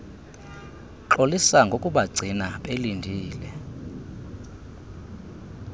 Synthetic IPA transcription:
ǁolisaŋɡʱokʼuɓaɡ͡ǀʱinaɓelindʱiːlɛ

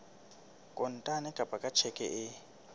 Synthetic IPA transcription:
kʼʊn̩tʼanɛkʼapʼakʼat͡ʃʰɛkʼɛ̰ʔɪ

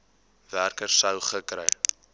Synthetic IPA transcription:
værkərssəwχəkrɛj

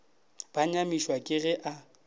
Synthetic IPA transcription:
b̥aɲamiʃwakʼɪɣɛʔa

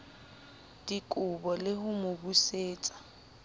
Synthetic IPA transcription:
d̥ikʼʊbɔlɪhʊmʊbuseːt͡sʼḁ

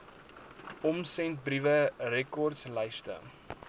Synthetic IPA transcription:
ɔmsɛnt̚brivərɛkɔrtsləjstə̰

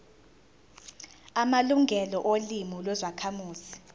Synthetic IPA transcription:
amaluŋɡʱɛlɔʔolimulwɛzakʰamuːsi̥

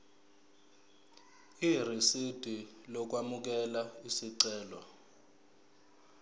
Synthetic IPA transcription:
irisid̥ʱilɔk̬wamuk̬ɛlaisiǀɛːlɔ

